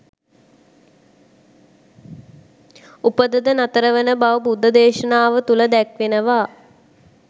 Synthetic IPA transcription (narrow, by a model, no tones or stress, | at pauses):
upəd̪əd̪ənat̪əɾəʋənəbaʋəbud̪ʱːəd̪eːʃənaːʋət̪uləd̪ækʋenəʋaː